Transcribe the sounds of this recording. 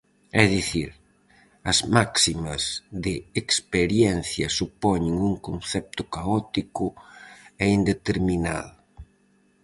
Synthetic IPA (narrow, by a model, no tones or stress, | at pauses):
ɛðiθiɾ | ɐzmaksimɐzðɪːkspeɾjɛnθjɐsupɔɲɪŋuŋkonθɛp̚t̪ʊkaɔt̪ikʊ | ɛind̪et̪eɾmina̰ðʊ